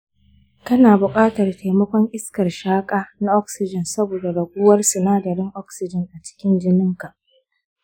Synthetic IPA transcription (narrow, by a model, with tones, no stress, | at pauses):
kɐ˦naː˨bʊ˨kʼaː˦tɐ˨rta˨jmɐ˦kʷɔ˦ŋʔɪ˦skɐ˨rʃaː˦kʼaː˦na˦ʔɔ˦k̚sɪ˨d͡ʒɪ˨nsɐ˦boː˨da˨ɽɐ˨ɡʷʊː˦wɐ˦rsʊ˨naː˦dɐ˨ɾɪ˦ŋʔɔ˦k̚sɪ˨d͡ʒɪ˨ŋʔa˨t͡ʃɪ̥˦kʲɪ˦nd͡ʒɪ˦nɪ˦ŋka˨ʔ